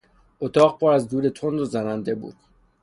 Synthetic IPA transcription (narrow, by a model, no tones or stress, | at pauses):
ot̪ʰɒːɣpʰɒːɾæzd̪uːɾet̪ʰond̪ozænænd̪e̞bṵːd̪̥